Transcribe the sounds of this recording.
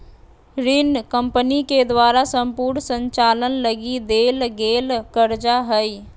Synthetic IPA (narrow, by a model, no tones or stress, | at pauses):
ɾinkə̃mpəniked̪waːɾasə̃mpuːɾɳsə̃ɲt͡ʃaːlənləɡid̪eːlɡeːlkəɾd͡ʒaɦəi